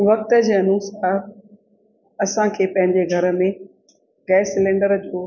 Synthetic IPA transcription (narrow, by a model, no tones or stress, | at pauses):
ʋɐk̚t̪ə̆d͡ʑeːɐnuːsaːɾ | ɐsãkʰeːpɐ̃ɦɪ̃ɲd͡ʑeɡʱɐɾə̆mẽ | ɡɛːsɪlẽːɳɖəɾd͡ʑoː